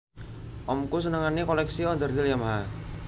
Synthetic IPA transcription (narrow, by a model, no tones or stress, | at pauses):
ʔɔmkus̬ənaŋanikɔlɛksiɔnd̪ərd̪ɪljamɦa